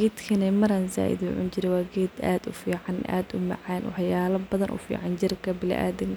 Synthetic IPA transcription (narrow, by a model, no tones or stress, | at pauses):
ɡɛːd̪kʰɐnɛmɐɾanza̰ːʔɪ̰ðʊ̰ʕʊ̰nt͡ʃɪɾɛwɑːɡɛːd̪a̰ːd̪ʊfiːʕɑnʔa̰ːd̪ʊmɑ̰ʕaːnʔɔ̰ħjaːlɐbɐðɐnʔʊ̰fḭːʕɑnd͡ʒɪrkʰɐbɪl̰ʔa̰ːd̪ɪŋ